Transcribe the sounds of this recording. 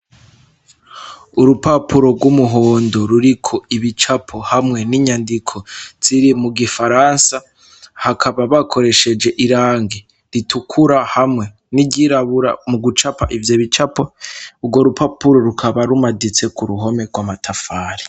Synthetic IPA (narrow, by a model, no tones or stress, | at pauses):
uɾupapʰuɾo̞ɡwumuɦo̞ːndo̞ɾuɾikʰo̞iβit͡ʃapʰo̞hamŋe̞niɲandikʰo̞z̥iɾimuɡifaɾansa | hakʰaβaβakʰo̞ɾe̞ʃe̞d͡ʒe̞ʔiɾaːŋɡe | ɾitukʰuɾahamŋe̞ | niɟiɾaβuɾa̰muɡut͡ʃapa̰ʔivjoβit͡ʃapauɡwo̞ɾupʰapuɾo̞ɾukʰaβaɾumadit͡se̞kuɾuɦo̞me̞ɡwamatʰafaːɾi̥